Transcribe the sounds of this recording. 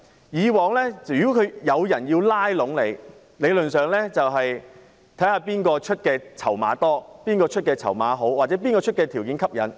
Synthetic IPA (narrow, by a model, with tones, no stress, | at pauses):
jiː˨˧wɔː˨˧ŋlɛː˥yː˨kɔ˥kʰɵ˨˧jɐ˨˧wjɐ˨˩nji˧wlaː˥jlʊ˨˥ŋle˨˧j | le˨˧jlɵ˨nsœː˨˩ŋlɛː˥t͡sɐ˨wɦɐ˨j | t̪ʰɐ˨˥jhaː˧piː˥nkɔː˧t͡ʃʰɵ˥t̚kɛː˧t͡sʰɐ˨˩wma̰ː˨˧t̪ɔː˥piː˥nkɔː˧t͡ʃʰɵ˥t̚kɛː˧t͡sʰɐ̰˨˩wma̰ː˨˧ɦo˨˥wwaː˨t̚t͡sɛ˨˥p̬iː˥nkɔː˧˥t͡ʃʰɵ˥t̚kɛː˧t̪ʰiː˨˩wkiː˨˥nkʰɐ˥p̚jɐ̰˨˥n